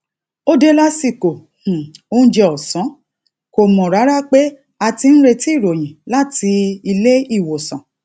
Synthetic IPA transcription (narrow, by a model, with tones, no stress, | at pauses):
o˦de˦la˦si˧˨ko˨ | h̩˨õ˦d͡ʒɛ˧ɔ˨sɔ̃˨˦ | ko˨mɔ̃˨ɾa˨˦ɾa˦k͡pe˦ | a˧ti˧ñ̩˦ɾe˧ti˦˨ɾo˨j̃ĩ˨la˦˨ti˧i˧le˦i˦˨wo˨sɔ̰̃˨